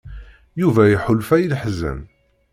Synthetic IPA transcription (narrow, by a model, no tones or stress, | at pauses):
juvæjiħʊlfæjilħzə̰m